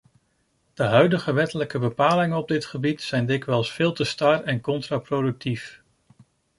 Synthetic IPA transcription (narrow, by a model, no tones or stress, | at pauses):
d̥əɦœɥdəχəʋɛtələkəbəpaːlɪŋənɔb̚dɪtχəbitsɛjndɪkʋɛlˠsfɪːlˠtəstarɛnkɔntraprodɵk̚tʰif